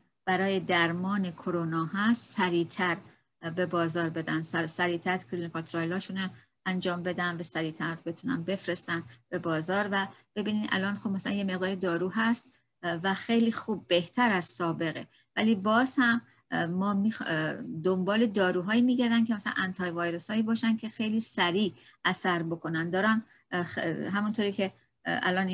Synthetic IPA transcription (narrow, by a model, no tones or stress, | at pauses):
b̥æɾɒːje̞d̪æɾmɒːnekʰoɾonɒːɦæst̪sæɾiːt̪ʰæɾ | be̞bɒːzɒːɾbe̞d̪ænd̪ssæɾiːt̪ʰæɾɾkʰɾinikʰɒlt̪ʰɾɒjlɒːʃune | ænd͡ʒɒːmbe̞d̪ænd̪væsæɾiːt̪ʰæɾbe̞t̪ʰunæ̰nbe̞fɾe̞st̪ænd̪b̥e̞bɒːzɒːɾvæb̥e̞biːniːd̪ʔæ̰lɒːnxob̥mæsælæ̰njeme̞ʁd̪ɒːɾid̪ɒːɾuːɦæst̪ | væxe̞jliːxuːb̚ːe̞ht̪ʰæɾæz̥sɒːbe̞ɣe | væliːbɒːz̥hæmː | ɒːmixd̪ombɒːled̪ɒːɾuːɦɒːiːmiːɟæɾd̪ænkcʰemæsælæ̰nʔænt̪ʰɒːjevɒːjɾeshɒːiːbɒːʃæncʰe̞xe̞jliːsæɾiːʔæsæɾbo̞kʰo̞nænd̪ɒːɾæn | ɦæmunt̪ʰoɾiːcʰe̞ | æ̰lɒːni